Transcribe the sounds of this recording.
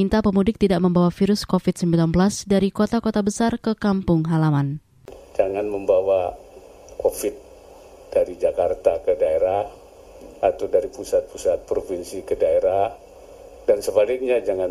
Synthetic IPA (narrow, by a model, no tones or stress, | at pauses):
int̪apəmudɪk̚t̪idaʔməmbawafiɾʊskofit̪̚səmbilanbəlasdaɾikot̪akot̪abəsarkəkampʊŋɦalaman | d͡ʒaŋanməmbawa | kofɪt̪̚ | d̥aɾid͡ʒakart̪akədaeɾah | at̪awdaɾipusat̪̚pusat̪̚pɾofinsikədaeɾah | dansəbalɪk̚ɲad͡ʒaŋan